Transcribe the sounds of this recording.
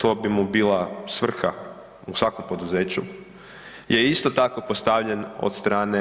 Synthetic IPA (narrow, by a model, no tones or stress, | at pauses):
t̪o̞ːbimubiːlasʋr̩xa | usʋako̞mpo̞d̪uzeːt͡ɕu | jeist̪o̞t̪ako̞post̪aʋʎeno̰d̪st̪ɾaːne